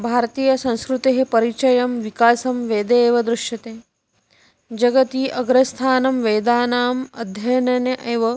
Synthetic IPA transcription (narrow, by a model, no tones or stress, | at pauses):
bʱaːɾt̪iːjɐsɐ̃w̃skɾut̪eɦepɐɾit͡ʃɐjɐmʋikaːsɐmʋeːd̪eːʋɐd̪ɾuʃjɐt̪eː | d͡ʒɐɡɐt̪iːʔɐɡɾɐst̪ʰaːnɐmʋeːd̪aːnaːmɐd̪ʱjɐjɐnɐnjɐʔeːʋɐ